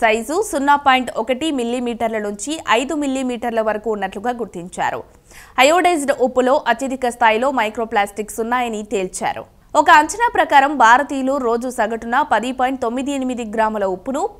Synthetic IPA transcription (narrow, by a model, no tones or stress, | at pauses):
sɐjzusunːaːpaːjiɳʈɔkɐʈimilːimiːʈɐɾlɐnuɲt͡ʃiʔɐjd̪umilːimiːʈɐɾlɐʋɐɾɐkuːnːɐʈluɡaːɡuɾt̪iɲt͡ʃa̰ːɾṵ | ɐjoːɖɐjd͡ʒɖupːulo̞ːʔɐt̪jɐd̪ʱikɐst̪ʰaːjilo̞ːmɐjkɾoːplaːsʈiksunːaːjɐnit̪e̞ːlt͡ʃa̰ːɾṵ | ɔkɐːɲt͡ʃɐnaːpɾɐkaːɾɐmbʱaːɾɐt̪iːjluːɾo̞ːd͡ʒusɐɡɐʈunːɐpɐd̪ipoːjiɳʈt̪o̞mːid̪ienimid̪iɡɾaːmɐlɐupːunu